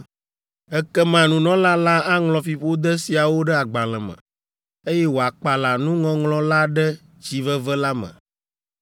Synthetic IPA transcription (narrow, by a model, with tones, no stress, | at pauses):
ɛ˦kɛ˦mã˨nũ˨nɔ̃˦la˦la˦a˦ŋlɔ̃˨fi˨ɸo˦d̪ɛ˦si˨a˨wo˦ɖɛ˦a˨ɡ͡ba˨l̃ɛ̃˨mɛ̰̃˨ | e˦jɛ˦wo˨a˨k͡pa˨la˨nũ˦ŋɔ̃˦ŋlɔ̃˦la˦ɖɛ˦ | d͡ʑi˦vɛ˦vɛ˦la˦mɛ̰̃˨